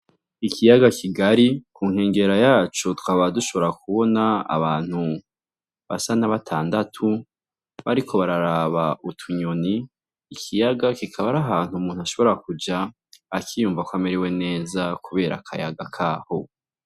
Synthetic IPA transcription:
ikʰijaɡakʰiɡaɾikuːŋ̥he̞ːŋɡe̞ɾajaːt͡ʃotu̥kaβaβduʃo̞βo̞ɾakuβo̞na̰ːβaːn̥hu | βa̰sanaβatʰaːndatʰu | βaɾikʰo̞βaɾaɾaːβautʰuɲoniː | kʰijaɡakikʰaβaɾaɦaːn̥humuːn̥uhaʃo̞βoɾakud͡ʒaː | kijuːɱvakwameɾewe̞ne̞ːzakuβe̞ːɾa̰kʰa̰jaɡakʰaːho̞

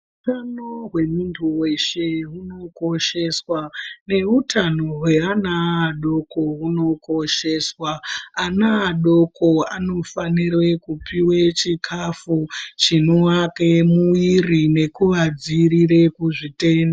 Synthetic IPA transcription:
uutanoɦwe̞muntʰuwe̞ʃe̞ɦuno̞ko̞ʃe̞swane̞ɦutʰano̞ɦwe̞anaːɗo̞koɦuno̞ko̞ʃe̞ːswaːnaːɗo̞kʰo̞ano̞fanirwe̞kupʰiwet͡ʃikʰafut͡ʃinoake̞muirine̞kuʋad͡ziɾire̞kuʐite̞ːnda

